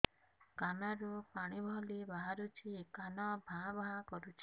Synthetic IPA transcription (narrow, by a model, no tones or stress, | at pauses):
kanaɾupaɽ̃ibʱɔlibaɦaɾut͡ʃʰikanɔbʱãbaɦãkɔɾut͡ʃʰi̥